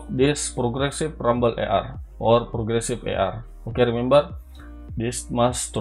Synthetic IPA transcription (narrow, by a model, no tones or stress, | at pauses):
dispɾɔɡɾɛsiframbəlʔḛʔa̰rʔɔrpɾɔɡɾɛsifḛʔa̰r | okeɾimɛmbar | dismast̪